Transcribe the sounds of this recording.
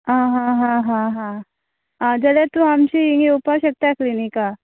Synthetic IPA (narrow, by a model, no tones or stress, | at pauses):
ãɦãɦãɦãɦã | ɦãd͡ʒɐlet̪ũɦamt͡ʃiiŋɡeupaʃɐk̚t̪aklinika